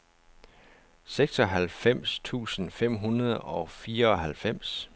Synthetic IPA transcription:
seɡ̥sɒ̽ɦælfem̰st͡sʰṵːsən̩fem̰ɦunɐð̞ˠɒ̽fiːɐɒ̽ɦælfem̰s

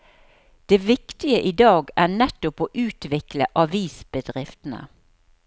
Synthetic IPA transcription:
d̪̥eːʋɪkt̪ɪəʔiːd̪ɑːɡæːɳɛt̪ːʊpoːʔʉːt̪ʋɪkləʔɑʋiːsb̥əd̪ʁɪft̪n̩ə̰

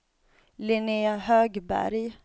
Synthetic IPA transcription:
lɪneahøːɡbæ̰ɾj

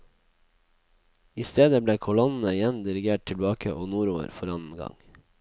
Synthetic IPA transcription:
ɪst̪eːd̪əbleːkʰʊlɔnn̩əɪjɛnd̪ɪɾɪɡeːʈ̚t̪ʰɪlbɑːkəʔoːnuːɾoːə̰ɾfɔɾɑnn̩ɡɑ̰ŋ

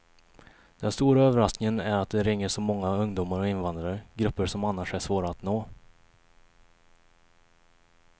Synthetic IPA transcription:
d̪̥ɛnst̪uːɾaøːvəɾasknɪŋənæɾat̪̚d̪ɛɾɪŋːəʂɔmɔŋːaɵŋd̪uːmaɾɔɪnvand̪ɾaɾəɡɾɵpːəʂɔmanːaʂæʂvoːɾaːt̪noː

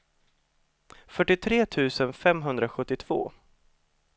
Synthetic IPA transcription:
fœʈːɪt̪ʰɾeːt̪ʰʉ̟ːsənfɛmɦɵnd̪ɾaɧɵt̪ːɪt̪ʰv̥o̰ː

